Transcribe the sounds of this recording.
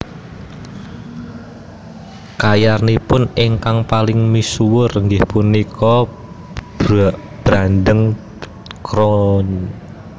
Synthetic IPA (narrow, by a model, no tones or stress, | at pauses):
kajarnipʊnɪŋkaŋpalɪŋmisuwʊrŋɡɪhpunikɔ̥ | b̥ɾandəŋ | kɾɔn